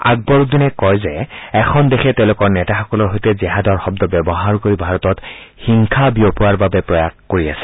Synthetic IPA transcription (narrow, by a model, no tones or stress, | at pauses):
a̰ɡ̚bɔɹuk̚dinɛkɔjzɛɛkʰɔndexʰɛtɛʊ̃lʊkɔɹnɛtaxɔkɔlɔɹɦojtɛzɛɦadɔɹxɔb̚dɔbɛbɔɦaɹkoɹibʱaɹɔtɔtxiŋkʰabiopʊwaɹbabɛpɹɔjaxkoɹiasɛ̥